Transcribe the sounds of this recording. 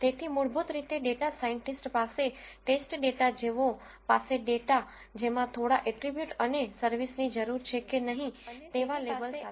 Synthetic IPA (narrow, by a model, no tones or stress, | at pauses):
t̪et̪ʰimʊɭbut̪ɾit̪eɖeʈasaiɳʈisʈpaseʈesʈɖeʈad͡ʒeʋo | paseɖeʈa | d͡ʒemãt̪ʰoɽaʔeʈɾibjuʈənesəɾʋisnid͡ʒəɾuɾt͡ʃʰekenəɦĩt̪eʋalebəlʰa